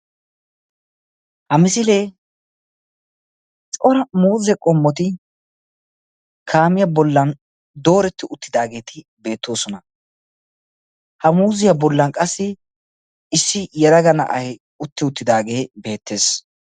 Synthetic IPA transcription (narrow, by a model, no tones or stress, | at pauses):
hɐmɪsɪleː | t͡sʼɔɾɐmuːzɛkʼɔmːɔt̪̬ɪ | kʰaːmɪjɐbɔlːɐn | d̪o̞ːɾɛt̪ːɪʔʊt̪ːɪd̪aːɡe̞ːt̪ɪ | be̞ːt̪ːo̞ːsɔnɐ | hɐmuːzɪjɐbɔlːɐnkʼɐsːɪ | ɪsːɪjɛɾɐɡɐnɐ̰ʔɐjɛ | ʊt̪ːɪʊt̪ːɪd̪aːɡe̞ːbe̞ːt̪ːe̞ːs